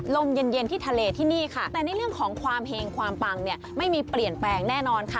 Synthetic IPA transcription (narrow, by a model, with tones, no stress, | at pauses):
lo˧˥˩mjɤ˧nje˧nt̪ʰiː˥˩t̪ʰa˧leː˧t̪ʰiː˥˩niː˥˩kʰa˥˩t̪ɛː˨˩na˧jɾɯ˥˩əŋkʰɔː˩˦ŋkʰwaː˧mɦeː˧ŋkʰwaː˧mpa˧ŋni˥˩əma˥˩jmiː˧pli˨˩ənplɛː˧ŋnɛː˥˩nɔː˧nkʰa˦˥˩